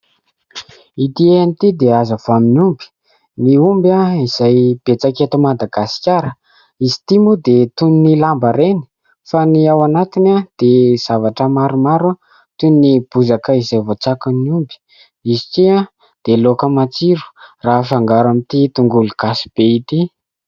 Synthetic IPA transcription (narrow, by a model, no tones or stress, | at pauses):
it̪ieanit̪id̪eazəv̥oaminumbi̥ | niumbaiz̥ajb̥et͡saket̪əmad̪aɡasi̥kʲaɾə | izi̥t̪imud̪et̪uninilambaɾeni̥ | faniawanat̪inad̪̥ez̥avaʈ͡ʂəmaɾumaɾa | t̪unnib̥uzakəizajvot͡sakunniumbi̥ | izitia | d̪̥elokəmat͡siɾu̥raːfaŋɡaɾamit̪it̪uŋɡuluɡ̥asi̥b̥eit̪i